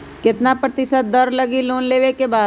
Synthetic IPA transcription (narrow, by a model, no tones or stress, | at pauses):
kɪt̪napɾɐt̪ɪsət̪̚d̪ɐɾlɐɡiloːnleːʋekebaːd̪